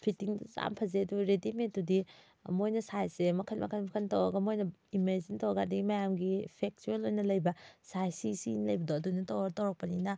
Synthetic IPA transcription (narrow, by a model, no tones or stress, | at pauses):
pʰitiŋza̰mpʰɐzeɐduɾedimentdudi | ɐmojnɐsajsemɐkʰɐnmʔɐ̰kʰɐnmɐkʰɐntɐwɐɡɐmojnɐimeɾzintɐwɐɡadiɡimɐjamɡipʰek̚t͡ʃuelojnɐlɐjbɐsajsisinlɐjbɐdoɐdunɐtɐwɐɡɐtɐwɾɐk̚pɐninɐ